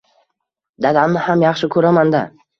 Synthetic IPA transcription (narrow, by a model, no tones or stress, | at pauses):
d̪ad̪amnɪhamjɑχʃɪkʰɵɾamand̪a